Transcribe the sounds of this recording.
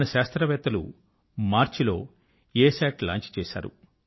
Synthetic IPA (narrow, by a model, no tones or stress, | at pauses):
nɐʃaːst̪ɾɐʋɛːt̪ɐlṵ | maːɾt͡ʃilo̞ː | eːsaːʈla̰ːɲt͡ʃi̥t͡ʃɛːʃa̰ːɾṵ